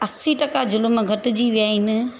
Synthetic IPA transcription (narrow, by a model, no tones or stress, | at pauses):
ɐsiʈɐkad͡ʑʊlmɡʱɐʈʊ̆d͡ʑiːʋijaːɦinɪ̆